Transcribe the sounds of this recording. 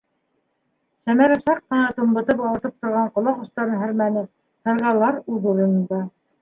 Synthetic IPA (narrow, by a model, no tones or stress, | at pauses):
sæmæɾæʃɑqːɤ̆nɑt̪umbɤ̆t̪ɤpɑwɤ̆t̪ɤp̚t̪ŏɾʁɑɴqŏlˠɑqŏst̪ɑɾɤnɦɘ̆ɾmænɘ | hɤ̆ɾʁɑlˠɑɾuðuɾɤ̆nɴd̪ɑ